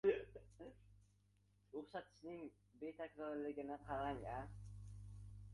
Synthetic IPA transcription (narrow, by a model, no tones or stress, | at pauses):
ɾoχʃat̪ʃnɪŋ | bet̪ʰakɾoɾlɪɡʲɪnɪqʰɑɾɑnja